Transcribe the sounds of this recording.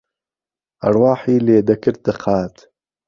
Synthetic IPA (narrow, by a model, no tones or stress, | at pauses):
ɐ̰ɾwɑːħiːleːd̪ɐkɨɾ̚d̪ɨqaːt̪